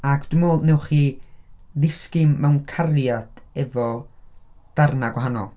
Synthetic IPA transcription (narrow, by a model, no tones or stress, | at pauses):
akʰd̥umoːlˠdnɛwχiː | ðɪskɪmːɛwnkʰarjad̥ɛvɔ | d̥arnaɡwaɦanɔ̰lˠ